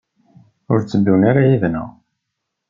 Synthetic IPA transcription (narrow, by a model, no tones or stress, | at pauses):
ʊɾt͡sːəd̪ːunaɾajivnə̰